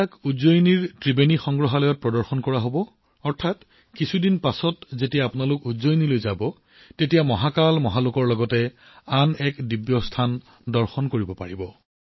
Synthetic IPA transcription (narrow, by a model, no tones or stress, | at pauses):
akuzojniɹtɹibenixɔŋɡɹɔɦalɔjɔt̚pɹɔdɔɹxɔnkɔɹaɦobɔ | ɔɹtʰat | kisʰudinpasɔtzetijaːpʊnalʊkuzojnilojzabɔ | tetijamɔɦakalmɔɦalʊkɔɹlɔɡɔtɛ | anɛkdibjɔstʰan | dɔɹxɔnkoɹibɔpa̰ɹibɔ